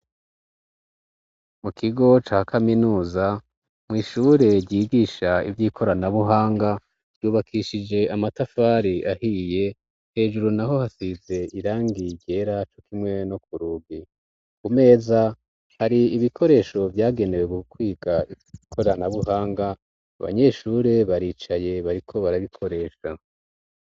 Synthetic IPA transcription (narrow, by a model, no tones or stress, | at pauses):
mukʰiɡo̞t͡ʃaːhkʰaminuːza | mŋiːʃuːɾe̞ɾɟiːɡiːʃaḭvjiːkʰo̞ɾanaβuɦaːŋɡḁ | juːβakʰiʃid͡ʒe̞amatafaːɾiʔahije̞ | he̞ːʒuɾunaɦo̞hasize̞iɾaːŋɡiɟe̞ɾat͡ʃo̞kʰimŋe̞no̞kuɾuɡi | kume̞ːza | haɾiiβikʰo̞ɾe̞ːʃo̞vjaːɡe̞ne̞weɡukwiːɡai | ikʰo̞ɾanaβuɦaːŋɡa̰ː | βa̰ɲe̞ʃuɾe̞βaɾiːt͡ʃaje̞βaɾikʰo̞βaɾaβikʰo̞ɾe̞ːʃa